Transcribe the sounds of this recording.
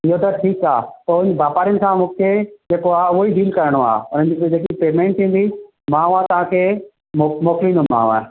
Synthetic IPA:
ɪɦot̪ɐʈʰiːkaːt̪oɪɲbaːpaːɾijənɪ̆sãmũːkʰed͡ʑeːkoaːʊɦoiɖʱiːlkɐɾəɽ̃oa̰ːʊnəd͡ʑd͡ʑeːk̬ipeːmẽːɳʈt̪ʰĩːnd̪i | mãːʊat̪ɐʋ̤ãkʰe | momoːkɪlĩːnd̪omã̰ːaː

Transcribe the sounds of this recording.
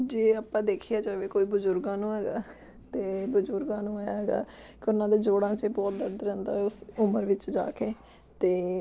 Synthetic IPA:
d͡ʒeːaːpãːd̪eːkʰijaːd͡ʒoːʋeːkoːiːbʊzʊɾɡãːnũːɦɛːɡaː | t̪eːbʊzʊɾɡãːnũːaːjaːɦɛːɡa̰ː | keʊnãːd̪eːd͡ʒoːɽãːt͡ʃebɔːt̪̚d̪əɾɖ̪ɾɛ̃ːnd̪a̰ːʊsʊməɾʋɪt͡ʃd͡ʒa̰ːkeː | t̪eː

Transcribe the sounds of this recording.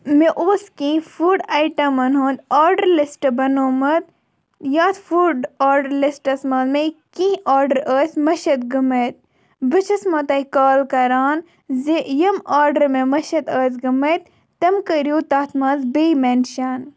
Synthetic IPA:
meʔoːskĩːfuːɖajʈɐmɐnɦoːnd̪aːɾɖəɾlisʈbɐnoːmɐt̪̚ | jaːt̪fuːɖaːɾɖəɾlisʈɐsmɐzmẽkĩːaːɾɖəɾəːsʲmɐʃɐt̪ɡɐmɐt̪̚ | bɨt͡ʃʰɐsmɐt̪ɐikaːlkɐɾaːn | zejɐmaːɾɖəɾmẽmɐʃɐt̪əːzɡɐmɐt̪̚ | t̪ɐmkɐɾjuːt̪aːt̪ʰmɐːnzbeːjmenʃaːn

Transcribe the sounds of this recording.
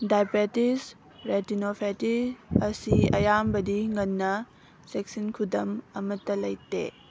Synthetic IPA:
dajpetis | ɾetinopʰetisɐsiɐ̰jambɐdiŋɐnːɐ | sek̚sinkʰudɐmɐmɐtːɐlɐjtḛ

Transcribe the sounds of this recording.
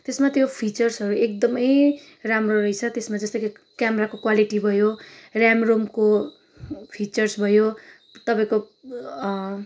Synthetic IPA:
t̪esmat̪jopʰit͡sʌrsɦʌɾuek̚d̪ʌmʌj | ramroɾʌijt͡sʰʌt̪esmad͡zʌst̪ʌk | kjameɾakokwaliʈibʱʌjorjamromko | pʰit͡sʌrsbʱʌjo | t̪ʌpaĩko

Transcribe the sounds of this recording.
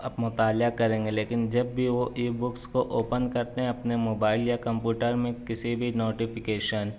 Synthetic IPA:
ɐbmʊt̪aːljakɐɾẽːŋɡeleːkɪnd͡ʒɐbːʱiʋoʔiːbʊkskoʔoːpənkɐɾt̪eɦɛ̃ɐpnemoːbaːɪljakɐ̃mpjuːʈəɾmẽkɪsibʱinoːʈɪfɪkeːʃən

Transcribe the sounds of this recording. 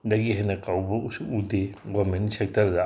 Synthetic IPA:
daɡiɦanɐkawbɐusuudeɡɔmensek̚tʰɐɾda

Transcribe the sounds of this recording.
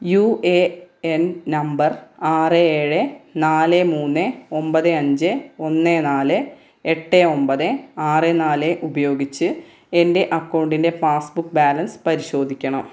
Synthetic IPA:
jueennɐmbɐraːrɨeːɻɨnaːlemuːnːɨo̞mbɐðɨɐɲd͡ʑɨo̞nːenaːlɨ | eʈːeo̞mbɐðɨaːrenaːleʔubɐjo̞ːɡit͡ɕːɨ | e̞nde̞ʔɐkːɐwɳɖinde̞faːsbukːbaːlɐnspɐɾiɕo̞ːd̪ʱikʲːɐɳɐm

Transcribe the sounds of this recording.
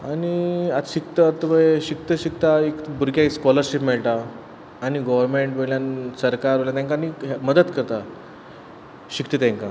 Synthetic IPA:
aɽ̃iat̪ɕik̚t̪əət̪ːəʋəeɕik̚t̪əɕik̚t̪aekbuɾkjaiskɔləɾɕipmeɭʈaː | ñiɡɔʋəɾmeɳʈboljansəɾkaɾoɭljat̪jãŋkaniɦməd̪ət̪kəɾt̪a | ɕik̚t̪it̪ãŋka

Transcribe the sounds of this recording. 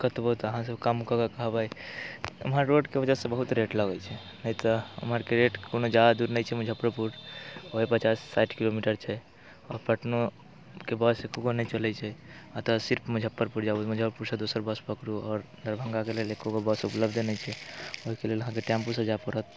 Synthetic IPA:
kət̪bot̪əɦãs̬əbkamkəkəkəɦbaj | ə̰mɦəɾːoɖkebəd͡ʒasẽbəɦut̪ɾeʈləɡɛt͡ʃʰɛ | nəjt̪ɔə̰mɦəɾkeɾeʈkonod͡ʒad̪ad̪uɾnəjt͡ʃʰɛmud͡ʒʱəpːɾəpuɾoɦepət͡ʃasːaʈʰkilomiʈəɾt͡ʃʰɛ | ɔːɾpəʈno | kebəsekoɡonət͡ʃəlɛt͡ʃʰɛat̪ɔsiɾpmed͡ʒʱəpːəɾpuɾd͡ʒabumud͡ʒʱəpuɾsəɾd̪osəɾbəspəkɾuɔːɾnd̪əɾbʱə̃ŋɡakelelekoɡobəsupləbd̪ʱnɛjt͡ʃʰɛoɦikeleləɦãkeʈɛ̃mpusə̃d͡ʒapəɾət̪

